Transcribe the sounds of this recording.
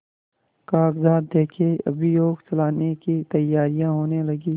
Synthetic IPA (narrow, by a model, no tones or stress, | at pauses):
kaːɡzaːd̪d̪eːkʰeɐ̰bʱijoːɡt͡ʃɐlaːnekit̪ɐjːaːɾijãɦoːnelɐɡiː